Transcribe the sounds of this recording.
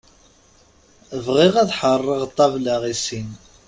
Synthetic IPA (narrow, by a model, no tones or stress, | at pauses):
əvʁiʁæðħərˤːəʁt̪ˤːɑvlaʁisin